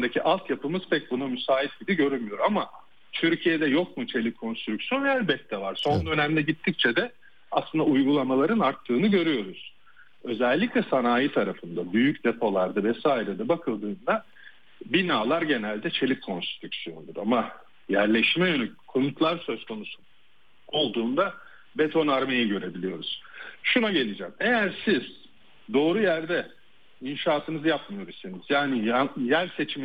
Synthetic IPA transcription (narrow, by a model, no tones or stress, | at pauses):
nd̪acʰiʔalˠt̪japɯmɯz̥pʰɛc̚bunamysaːit̪̚ɟib̪iɟø̞ɾylmijo̞ɾama | t̪ʰyɾcʰijed̪ɛjo̞kmut͡ʃʰe̞lʲitkʰo̞nst̪ɾycsjo̞nælʲbɛt̪̚t̪ʰːɛvaɾ̥so̞nd̪ø̞næmlʲɛɟit̪ʰːic̚t͡ʃʰɛd̪ɛ | aslˠɯnd̪aujɡulˠamalˠaɾɯnaɾt̪ʰːɯːnɯɟø̞ɾyjo̞ɾuz̥ | ø̞zɛlʲːiclʲɛsanaːjit̪ʰaɾafɯnd̪abyjycd̪e̞pʰo̞lˠaɾd̪avɛsaːiɾɛd̪ɛbakʰɯlˠd̪ɯːnd̪a | binaːlˠaɾɟe̞nælʲd̪ɛt͡ʃʰe̞lʲip̚kʰo̞nst̪i̥t̪ʰyksyjo̞nd̪uɾama | jæɾlʲeʃmɛjønykʰomut̪ʰlˠaɾsø̞zkʰo̞nusu | o̞lˠd̪uːnd̪a | be̞t̪ʰo̞naɾmejiɟø̞ɾe̞bilʲijo̞ɾuz̥ʃunaɟe̞lʲid͡ʒɛːme̞jæɾsiz̥ | d̪o̞ːɾujæɾd̪ɛ | inʃaːt̪ʰɯnɯzɯjapmɯjo̞ɾusiniz̥jaːnijjæɾse̞t͡ʃʰim